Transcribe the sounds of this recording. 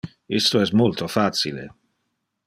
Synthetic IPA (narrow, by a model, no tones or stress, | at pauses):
ist̪oɛs̬tmolt̪ofasilḛ